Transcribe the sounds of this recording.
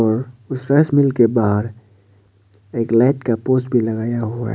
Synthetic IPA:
ɔːɾʊsɾəsmɪlkebaːɦɾ | eːklaːɪʈkapoːsbʱilɐɡaːjaɦua̰ɦ

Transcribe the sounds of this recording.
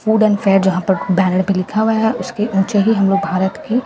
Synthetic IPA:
fuːɖɛ̃ːnfeːɾd͡ʒɐɦãpɐɾbɛːnəɽpẽlɪkʰaɦʊaɦɛʔʊskeʔũːt͡ʃeɦiɦɐmloːɡ̚bʱaːɾət̪ki

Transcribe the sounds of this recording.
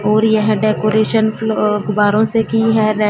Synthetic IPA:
ɔːɾjɐɦɛ̃ɖeːkoːɾeːʃənfloɡʊbaːɾõsekiɦɛɾɛ

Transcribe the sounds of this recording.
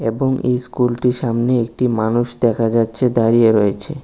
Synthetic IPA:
eboŋḛjskulʈiʃamneek̚ʈimanuʃd̪ɛkʰad͡ʑatːɕʰed̪aɾieɾɔet͡ɕʰe

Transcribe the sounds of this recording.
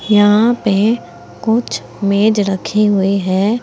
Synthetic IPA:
jɐɦãpe | kʊt͡ʃʰ | meːd͡ʒɾəkʰeɦʊeɦɛː

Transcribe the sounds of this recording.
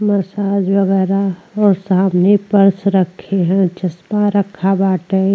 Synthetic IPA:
məɾsaːd͡ʒʋəɣɛːɾaɔːɾsaːmnepəɾsɾəkʰːeɦɛ̃t͡ʃɐsmaɾəkʰːabaːʈe

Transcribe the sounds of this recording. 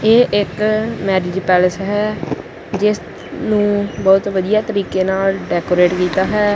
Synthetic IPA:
eːʔɪkmɛːɾɪːd͡ʒpɛːləsɦɛː | d͡ʒɪs | nũːbɔːt̪ʋəd̪ijaːt̪əɾiːkeːnaːlɖɛːkoːɾeːʈkiːt̪aːɦɛː

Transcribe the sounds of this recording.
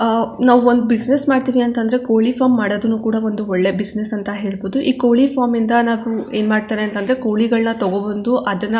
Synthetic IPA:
naːʋuond̪ubid͡ʒnesmaːɖt̪iːʋiɐnt̪ɐnd̪ɐɾe̞ko̞ːɭipʰaːmːaːɽod̪ɐnːukuːɽɐo̞nd̪uɔɭːe̞bisnesɐnt̪ɐɦe̞ːɭboːd̪uʔiːko̞ːɭipʰaːɾmind̪ɐnaːʋue̞ːnmaːɽt̪aːneɐnt̪ɐnd̪ɐɾe̞ko̞ːɭiɡɐɭnɐt̪ɔɡobɐnd̪uʔɐd̪ɐnːɐ

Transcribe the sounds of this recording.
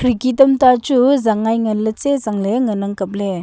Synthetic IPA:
kʰɾikitɐmtat͡ʃuzaŋajŋɐlət͡ʃezaŋleŋənaŋkɐp̚le

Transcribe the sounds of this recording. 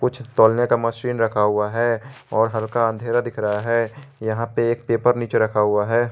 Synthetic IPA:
kʊt͡ʃʰt̪oːlnekamɐsɾiːnɾɐkʰaɦuaɦɛɔːɾɦɐɾkaə̃nd̪ʱeːɾad̪ɪkʰɾəɦaɦɛːjɐɦãpeeːk̚peːpəɾniːt͡ʃeɾɐkʰaɦuaɦɛː

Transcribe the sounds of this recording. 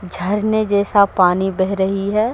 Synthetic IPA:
d͡ʒʱɐɾned͡ʒɛːsapaːnibɛɦɾəɦiɦɛː

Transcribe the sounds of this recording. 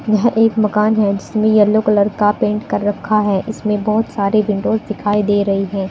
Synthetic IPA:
jɐɦʔeːkmɐkaːnɦɛd͡ʒɪsmẽjɐlːokɐlɐɾkapẽːɳʈkɐɾːɐkʰːaɦɛʔɪsmẽbɔːt̪saːɾeʋɪ̃ɳɖoːzd̪ɪkʰaːid̪eːɾɐɦiɦɛ̃ː

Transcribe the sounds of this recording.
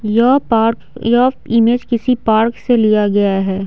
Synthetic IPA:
jɔːpaːɾ | jɔːfɪmeːd͡ʒkɪsipaːɾkselijaɡɐjaɦɛː

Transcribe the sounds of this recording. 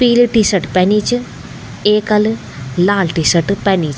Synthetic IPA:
piːlʈiːsɐʈpɛniːt͡ʃ | eːkɐl | laːlʈisəʈpɛniːt͡ʃ

